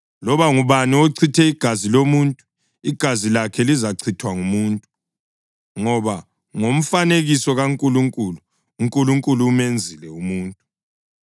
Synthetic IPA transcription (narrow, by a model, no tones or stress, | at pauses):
lɔβaŋuβanioǀʰitʰɛiɡ̥ʱazilomuntʼu | iɡ̥ʱazilakʰɛlizaǀʰitʰwaŋumuːntʼu | ŋɔβa | ŋom̩faneɣisɔɣaŋkʼuluŋkʼuluː | ŋkʼuluŋkʼuluːmend͡zʱilɛumuːntʼu